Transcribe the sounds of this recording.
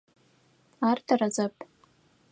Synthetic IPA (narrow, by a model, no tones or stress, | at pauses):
artʰarazapʼ